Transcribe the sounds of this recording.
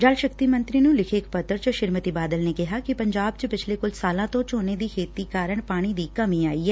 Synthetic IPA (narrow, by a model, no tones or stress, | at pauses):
d͡ʒalʃəkt̪iːmə̃nt̪ɾiːnũːlɪkʰeːkpət̪əɾt͡ʃəʃɪɾmət̪iːbaːd̪əlneːkɪɦaːkɪpəɲd͡ʒaːb̚t͡ʃəpɪt͡ʃʰleːkʊlsaːlãːt̪õːt͡ʃoːneːd̪iːkʰeːt̪iːkaːɾəɳ̃paːɽ̃iːd̪iːkəmĩːaːiːɦɛː